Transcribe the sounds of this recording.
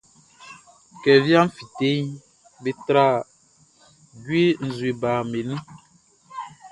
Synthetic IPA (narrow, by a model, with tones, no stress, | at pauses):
kɛ˨vja˦m̩˦fi˨te˦ɲ˦ | be˨t̪ɾa˦˨ | ɟwe˦n̩˨zu˨e˨ba˨me˨nĩ˦